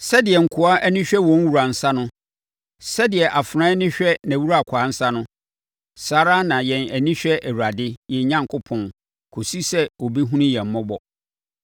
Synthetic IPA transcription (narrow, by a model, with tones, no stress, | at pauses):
sɛ˦dɪ˨ɛ˨ŋ̩˨kʰʊ˨a˦ʔæ˦nĩ˦ɕᶣɛ˦wɔ̃˦n˦wu˨ɾa˨n̩˨sa˦nʊ̃˦ | sɛ˦dɪ˨ɛ˨ʔa˨fɾã˦nɪ̃˦ɕᶣɛ˦næ̃˨wu˦ɾa˦˨kʰʷaː˨˦n̩˦sa˦nʊ̃˦ | saː˦ɾa˦nã˨jɛ̃˨næ˨nĩ˦ɕᶣɛ˦ʔæ˨wu˨ɾa˨dɪ˦jɛ˨˦ɲã˦ŋkʰʊ˦pʰɔ̃˨n | kʰo˨si˦sɛ˦o˨bi˦ɦũ˦nĩ˦jɛ̃˨m̩˨˦mɔ̃˦bɔ˨